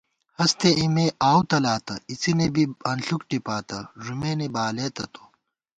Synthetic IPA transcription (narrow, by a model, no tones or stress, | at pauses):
hɐst̪ʰeʔimeːaːwt̪ɐlaːt̪ɐit͡sinebiɐnɬukʈipaːt̪ɐʐumeːnebaːleːt̪ɐt̪o̥